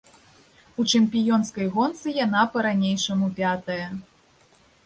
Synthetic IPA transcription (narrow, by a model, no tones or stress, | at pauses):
ut͡ʂɨmʲpʲijɔnskɐjɣɔnt̪sɨjan̪apɐɾanʲejʂɐmupʲat̪ɐjɐ